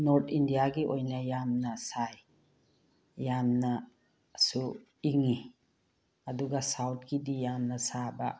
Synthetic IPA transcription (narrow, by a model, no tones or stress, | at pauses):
noɾtʰindijaɡiʔojnɐjamnɐsaj | jamnɐ | su | iŋi | ɐduɡɐsawt̚ʰɡidijamnɐsabɐ̰